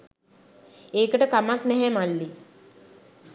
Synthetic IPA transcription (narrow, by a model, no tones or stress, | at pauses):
eːkəʈəkamaknɛɦɛmalːi